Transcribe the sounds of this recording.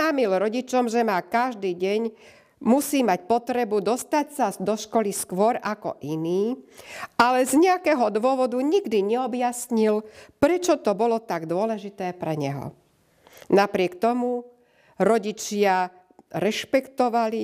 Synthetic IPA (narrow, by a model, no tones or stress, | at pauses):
aːmilɾɔɟit͡ʃɔmʒɛmaːkaʒd̪iːɟɛɲ | musiːmacpɔt̪ɾɛbud̪ɔst̪acsad̪ɔʃkɔliskʋʊɔɾakɔ̰ʔiniː | alɛzɲɛakɛːɦɔd̪ʋʊɔʋɔd̪uɲiɡd̪iɲɛɔbjasɲilpɾɛt͡ʃɔt̪ɔbɔlɔt̪aɡd̪ʊɔlɛʒit̪ɛːpɾɛɲɛɦɔ̰ | napɾɪɛkt̪ɔmu | ɾɔɟit͡ʃɪa | ɾɛʃpɛkt̪ɔʋali